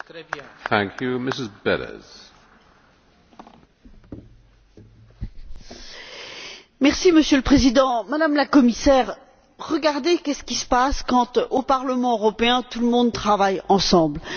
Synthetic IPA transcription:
θæ̃ŋkʰjumɪsɪzbɛ̰ɾə̰z̥ | mɛʁsiməsjøləpχezid̪ɑ̃mad̪amlakɔmisɛʁ | ʁəɡaʁd̪ekʲɛsə̥kʲisə̥paskɑ̃t̪opaʁləmɑ̃øʁɔpeɛ̃t̪uləmɔ̃d̪̚t̪χavajɑ̃sɑ̃bl

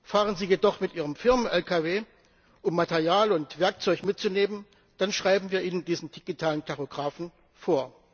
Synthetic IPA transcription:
faːʁ̞ənziːjedɔχmɪtʔiːʁəmfɪɐmənʔɛlkʰaveː | ʔʊmːatɛɐʁjaːlʊntv̥ɛɐk̚t͡sɔʏçmɪt̚t͡suneːmən | d̥anʃʁ̥aɪbm̩viːɐʔiːnəndiːzn̩d̥iɡ̥itʰaːlənkʰaʁoɡʁaːfn̩ | foːɐ

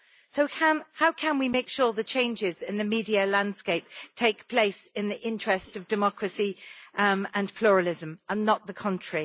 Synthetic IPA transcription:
soʊə̃nhaʊkʰə̃nwimeɪkʃɔːðət͡ʃʰẽɪ̃nd͡ʒɪzɪ̃nðəmiːdiəlãnd̥skeɪp̚tʰeɪkpʰl̥eɪsɪ̃nðiʔɪ̃nt͡ʃɹ̥ɛstəvdɨmɒkʰɹəsi | ə̃npʰl̥uːɹəlɪzə̃mə̃nːəʔ̪̚ðəkʰʌ̃nt͡ʃɹ̥i

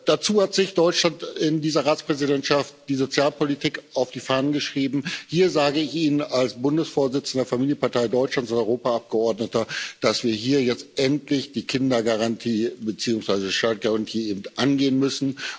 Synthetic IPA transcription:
d̥at͡suːhatz̥ɪçd̥ɔʏt͡ʃlantɪndiːzɐʁaːt͡spʁ̥ɛzidɛntʃaft̚d̥iːzot͡sjaːlpolitʰiːkʔaʊfd̥iːfaɐnənɡəʃʁ̥iːbm̩hiːɐzaːɡəɪçʔiːnənalsb̥ʊndəsfoːɐzɪt͡sn̩deɐfamiːljənpaɐtʰaɪdɔʏt͡ʃlantt͡sʊntɔʏʁoːpaap̚ɡ̥əɔɐdnətɐd̥asv̥iːɐɦiːɐjɛt͡stʔɛntlɪçd̥iːkʰɪndɐɡaʁantʰiːbət͡siːʊŋsv̥aɪzəʃtat̚ɡ̥aʁantʰiːeːbm̩tʔanɡeːənmʏsn̩

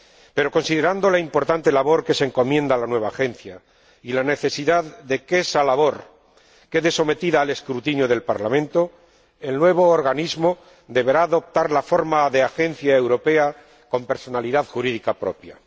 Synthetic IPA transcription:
pe̞ɾo̞ko̞nsiðe̞ɾand̪o̞laimpo̞ɾt̪ant̪e̞laβ̞o̞ɾke̞seŋko̞mjẽ̞nd̪alanwe̞β̞aːxe̞n̟θja | ilane̞θe̞siðaððe̞kesalaβ̞o̞ɾ | ke̞ðe̞so̞me̞t̪iðaːle̞skɾut̪injoð̞e̞lpaɾlamẽnt̪o̞ | e̞lnwe̞β̞o̞ːɾɣ̞anizmo | d̪e̞βe̞ɾaːðo̞p̚t̪aɾlafo̞ɾmaðe̞axe̞n̟θjaewɾo̞pe̞a | ko̞mpe̞ɾso̞naliðaðxuɾiðikapɾo̞̰pja

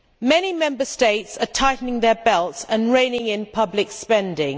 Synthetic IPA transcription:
mɛnimɛ̃mbəsteɪtsətʰaɪʔnɪ̃ŋðəbɛlˠtsə̃nɹẽɪ̃nɪ̃ŋɪ̃npʰʌblɪkspɛ̃ndɪ̃ŋ

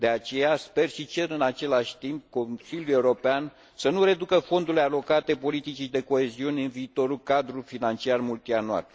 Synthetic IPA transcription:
d̪e̞at͡ʃe̞jaspe̞rʃit͡ʃe̞ɾɨnat͡ʃe̞laʃʲt̪imp̚ko̞nsiljulje̞uɾo̞pean | sənuɾe̞d̪ukəfo̞nd̪uɾlealo̞kat̪e̞po̞lit̪it͡ʃid̪e̞ko̞e̞ziuneɨnviːt̪o̞ɾukad̪ɾufinant͡ʃiarmult̪ianua̰l

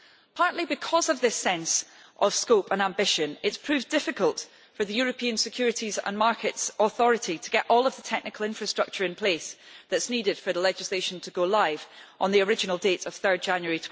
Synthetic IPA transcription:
pʰaɹʔlˠibɪkʰɔzəvðɪsɛ̃nsʔəv̥skopə̃nãmbɪʃə̃nɪtspʰɹ̥ʉvdɪfɪkəlˠt | fə˞ðəjʉɹəpʰĩə̃nsɪkʰj̥ʉɹɪʔizə̰̃nmaɹkʰɪtsəθɔɹɪʔitʰəɡ̥ɛʔɔlˠəvðətʰɛk̚nɪkʰəl̩ˠɪ̃ɱfɹəstɹ̥ʌk̚t͡ʃə˞ɨ̃npʰl̥esðətsnidɪd̥fə˞ðəlˠɛd͡ʒɪslˠeʃə̃ntʰəɡolˠaɪv̥ʔə̃nðiə˞ɪd͡ʒɪnəl̩ˠdeʔəv̥θɜ˞d̚d͡ʒãnjəɹitʰ

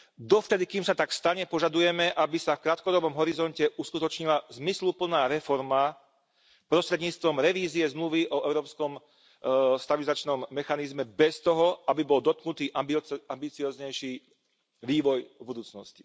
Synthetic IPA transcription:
d̪ɔft̪ɛd̪ikiːmsat̪akst̪aɲɛpɔʒad̪ujɛmɛʔabisafkɾaːt̪̚kɔd̪ɔbɔmɦɔɾizɔncɛʔuskut̪ɔt͡ʃɲilazmislupl̩naːɾɛfɔɾma | pɾɔst̪ɾɛd̪ɲiːt͡st̪ʋɔmɾɛʋiːziɛzmluʋiʔɔɛʊɾɔːpskɔm | st̪abilizat͡ʃnɔmːɛxanizmɛbɛst̪ɔɦɔabibɔld̪ɔt̪̚knut̪iːʔabambit͡siɔːzɲɛjʃiː | ʋiːʋɔjbud̪uːt͡snɔsci̥

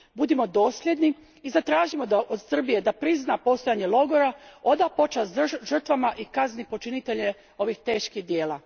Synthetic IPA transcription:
bud̪imo̞d̪o̞ːsʎʲe̞d̪ni | izat̪ɾaːʒimo̞d̪aʔod̪sr̩bije̞d̪apɾiznapo̞st̪ojaɲe̞lo̞ɡoɾao̞d̪apo̞t͡ʃasʒr̩t̪ʋamaʔikaznipo̞t͡ʃinit̪e̞ʎe | o̞ʋixt̪e̞ːʃkihd̪je̞ːla

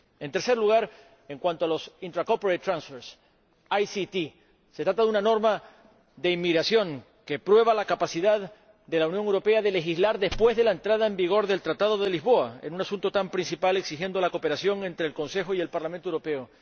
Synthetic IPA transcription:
e̞nt̪e̞ɾse̞ɾluɣaɾ | e̞ŋkwant̪oalo̞sint̪ɾakopoɾejt̪ːɾansfeɾs | ajsit̪i | set̪ɾat̪aðunano̞ɾma | ðe̞imːiɣɾasjo̞ŋ | ke̞pɾwe̞β̞alakapasiðað | ðe̞launjo̞ŋewɾo̞pe̞aðe̞le̞xizlaɾðe̞spwe̞zðe̞laent̪ɾaðaembiɣo̞ɾðe̞lt̪ɾat̪aðo̞ðe̞lizβo̞aḛnunasũnt̪o̞t̪ampɾinsipale̞ksixje̞nd̪olako̞pe̞ɾasjo̞ŋe̞nt̪ɾe̞ːlko̞nse̞xoie̞lpaɾlament̪owɾope̞o

